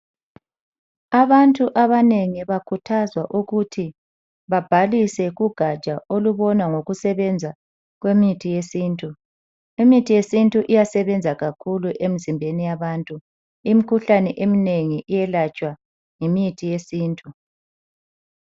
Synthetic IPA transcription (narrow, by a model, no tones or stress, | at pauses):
aβantʼuʔaβaneŋiβakʰutʰazwaʔuɣutʰi | βab̥ʱalisɛɣuɡ̥ʱḁt͡ʃʼaoluβɔnaŋoɣusɛβɛnd͡zʱa | ɣwemitʰijesiːntʼu | imitʰijesintʼuʔijasɛβɛnd͡zʱaɣakʰuluʔemizimbʱenijaβantʼu | imikʰuɬanɛʔemineŋiʔijɛlat͡ʃʼwa | ŋimitʰijesiːntʼu